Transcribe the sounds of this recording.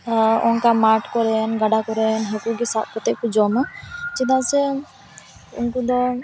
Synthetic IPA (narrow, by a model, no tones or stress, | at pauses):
ɔŋkamaɾʈkɔɾɛnɡaɖakɔɾɛnɦɔkuɡɛsaʔ̚kɔt̪ɛʔ̚kud͡ʒɔmat͡ʃid̪asɛ | ṵnkud̪ɔ